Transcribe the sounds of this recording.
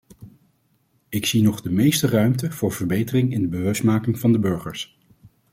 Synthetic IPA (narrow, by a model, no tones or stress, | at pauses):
ɪksinɔχdəmejstərœɥmtəv̥ʊːɹvəɹbejtərɪŋɪndəbəʋɵstmaːkɪŋvɑndəbɵɹχəɹs